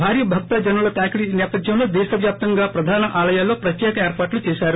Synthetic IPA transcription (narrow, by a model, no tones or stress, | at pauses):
bʱaːɾjɐbʱɐɡ̚t̪aːd͡ʒɐnuɭɐt̪aːkɽinɛːpɐd̪ʱjɐmnud̪ɛːsɐʋjaːp̚t̪ɐŋɡaːpɾɐd̪ʱaːnɐʔaːlɐjaːlːoːpɾɐt̪jɛːkɐeːɾpaːʈlut͡ʃɛːsaːɾu